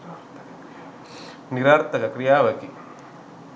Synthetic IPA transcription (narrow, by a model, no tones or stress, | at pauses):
niɾaːɾt̪ɐkɐkɾijaːʋɐki